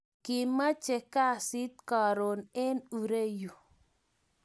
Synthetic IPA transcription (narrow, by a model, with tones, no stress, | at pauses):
ki˨ma˦t͡ʃɛ˨ka˦si˦t̪̚ka˨ɾo˨nɛ˦nu˨ɾe˦ju˨